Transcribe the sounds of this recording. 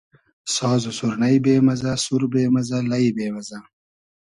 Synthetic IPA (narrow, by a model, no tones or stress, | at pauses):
sɑːzosuɾnajbeːmɐzasuɾbeːmazalajibeːmaza